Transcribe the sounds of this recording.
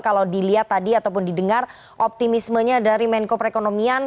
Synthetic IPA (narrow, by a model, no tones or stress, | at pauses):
kalawdiliat̪ːadiat̪awpʊndidəŋar | ʔɔp̚t̪imisməɲadaɾimɛnkopəɾekonomian